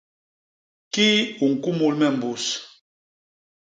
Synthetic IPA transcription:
ki˦u˨ŋ̩˨ku˦mu˦lmɛ˦˨m̩˨bu˨s

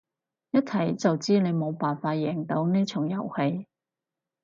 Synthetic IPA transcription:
jɐ˥t̚t͡sʰɐ˨˩jt͡sɐ˨wt͡siː˥ne˨˧jmo˨˧wpaː˨nfaː˧t̚jɛː˨˩ŋt̪o˨˧˥wneː˥t͡sʰʊ˨˩ŋjɐ˨˩whe˨˧j

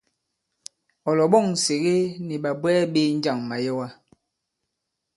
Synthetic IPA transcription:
ɔ˨lɔ˨ɓɔ˦˨ŋ̩˨se˨ɣe˦ni˨ɓa˨bwɛː˦ɓe˦n̩˦d͡ʒa˦˨ŋma˨jɔ˦wa˦

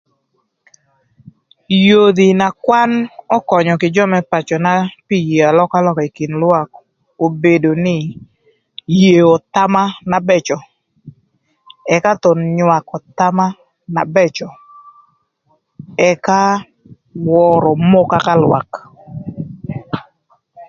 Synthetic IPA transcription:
jo˨d̪i˨na˨kwa˦nɔ˦kɔ˨ɲɔ˨kɪ˨d͡ʒɔ˦mɛ˦pa˨t͡ʃɔ˨na˦pi˦je˨a˨lɔ˦ka˦lɔ˦ka˨i˨ki˨nlwa˦k | o˨be˨do˨nɪ˦ | je˨ɔ˨t̪a˦ma˦na˨bɛ˦t͡ʃɔ˨ | ɛ˨ka˦t̪ɔ˨nɲwa˨kɔ˨t̪a˦ma˦ | na̰˨bɛ˦t͡ʃɔ˨ | ɛ˨ka˦ | wɔ˨ɾɔ˨mo˦ka˦ka˦lwa̰˨k

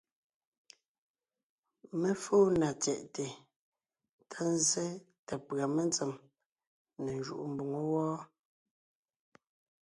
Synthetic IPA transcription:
me˦foː˦na˨t͡sɛ˨ʔte˨ | tʰa˦n˦ze˦ | tɛ˨pɰa˨me˦˨nt͡se˨m | ne˨n˨d͡ʒṵ˦˨ʔu˨m̩˨bu˨ŋo˦wɔː˦

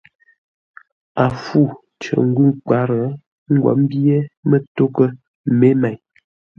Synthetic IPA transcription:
a˨fu˦˨ | t͡ʃə̰˨ŋ̩˦ɡʉ˦˨ŋk͡pa˨˦ɾə˨˦ | ŋ̩˦ɡwɔ̰˨˦m˦bje˦mə˦to˦kə˦ | me˦ma˨ɲ

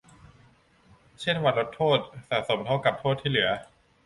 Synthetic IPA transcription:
t͡ɕʰe˥˩nwa˧nɾo˦˥t̪ʰːoː˥˩t̪̚sa̰˩ʔso˩˦mt̪ʰa˥˩wka˨˩p̚t̪ʰoː˥˩t̪ʰːiː˥˩lɯ˩˦ɐ

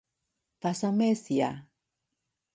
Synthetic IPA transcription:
pa˨sa˦me˦si˨a˨

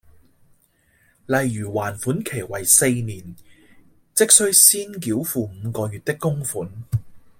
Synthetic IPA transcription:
lɐ˨jɥyː˨˩waː˨˩nfuː˨˥nkʰe˨˩jwɐ˨˩jse˧jniː˨˩n | t͡sɪ˥k̚sɵ˥ɥsiː˥nk̬iː˨˥wfuː˧m̩˨˧kɔː˧jyː˨˧t̚t̪ɪ˥kːʊ˥ŋfuː˨˥n

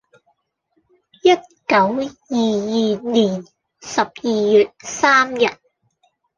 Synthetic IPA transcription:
jɐ˥t̚kɐ˨˥wjiː˨jiː˨niː˨˩n | sɐ˨p̚jiː˨jyː˨t̚saː˥mjɐ˨t̚

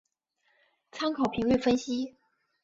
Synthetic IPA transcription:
t͡sʰa˥nkʰɑ˨˩ʊpʰi˧˥ŋy˥˩fə˥nɕi˥

